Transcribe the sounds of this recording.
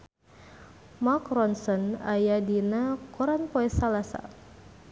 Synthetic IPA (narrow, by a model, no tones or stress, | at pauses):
makrɔnsɔnajadinakɔɾanpɔɛsalasa̰